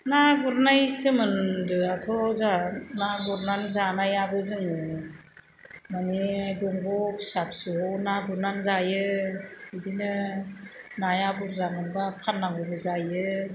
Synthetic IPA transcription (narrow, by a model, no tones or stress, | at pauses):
naɡuɾnajsɯmɯndɯatʰɔzanaɡuɾnanzanajabɯzɯŋɯ | manidɔŋbɔksap̚sɯnaɡuɾnanzajɯ | idinɯ | najabuɾzamɯnbapʰanːaŋɯbɯzajɯ